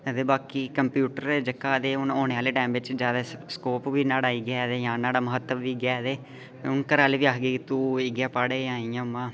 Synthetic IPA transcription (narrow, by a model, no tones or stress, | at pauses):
əd̪eːbaːkiːkəmpjuːʈəɾd͡ʒəkːaːd̪eːʊnoːneaːleːʈãːmʋɪt͡ʃd͡ʒjaːd̪aːskoːpʋiːnaːɽaːiːɡaːd̪eːjãːnaːɽaːməɦət̪ːəmʋiːɡjaːd̪eː | ʊnkəɾaːleːʋiːaːkɡeːt̪uːɪɡjaːpaːɽeːjãːijãːmãː